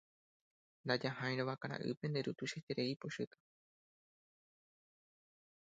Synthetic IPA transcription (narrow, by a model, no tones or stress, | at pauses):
nd̪ad͡ʒahãj̃ɾoʋakaɾã̰ʔɨ̰pend̪eɾut̪uʃet̪eɾeipoʃɨt̪ḁ